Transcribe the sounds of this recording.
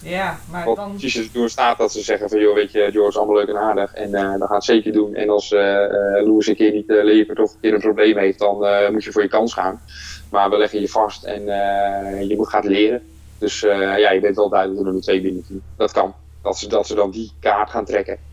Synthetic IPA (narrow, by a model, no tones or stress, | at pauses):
ʋɔpsisəsəduːstaːt̚dɔtsəzɛɣənfɑnjoʋejtədjʊːɡɪsɑlˠmɑløɥkɛnaːdəχɛ̰ndɔtχaːətsejkəɹdunɛ̰nɑlˠsəluəsənkɪːɹnitleːkəɹtɔfəkɪːɾənprowblejmɦejft̚dɔnmutjəfʊːɹjəkɑnsχa̰ːn | maːɹʋəlɛɣənjəfɑstɛ̰nəjəmutχaːtlɪəɾə | d̥øsjajəbɪnətʋɛlˠdœɥdələɡdunənətʋejmɪnytid̥ɔtkɑn | d̥ɔtsədɔtsədɑndikaːɹtχaːntrɛkə